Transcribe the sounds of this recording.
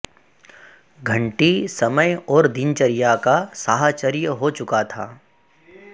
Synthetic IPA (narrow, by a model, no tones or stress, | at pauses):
ɡʱɐ̃ɳʈisɐməjɔːɾd̪ɪnt͡ʃəɾɪjakasaːɦat͡ʃəɾɪjəɦot͡ʃʊkat̪ʰa̰ː